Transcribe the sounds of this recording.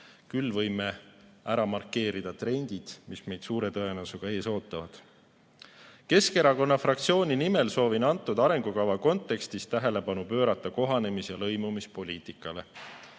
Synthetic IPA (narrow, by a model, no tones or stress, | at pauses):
kylːvɤ̞jmeæɾɑmɑrkːˑe̞ːɾid̪̥ɑt̪re̞nʲd̪̥id̪̥misme̞jd̪̥suːɾe̞t̪ɤe̞nɑsuɡ̥ɑe̞ːso̞ːt̪ːˑɑvɑd̪̥ | ke̞ske̞ɾɑko̞nːɑfrɑkt̪sio̞ːnʲinime̞lso̞ːvinɑnt̪ːˑud̪ɑɾe̞ŋɡ̥ukɑvɑko̞nt̪ːˑe̞kst̪ist̪æɦe̞le̞pɑnupø̞ːɾɑt̪ˑːɑko̞ɦɑne̞misjɑlɤjmumispo̞lʲiːt̪ˑikːˑɑle̞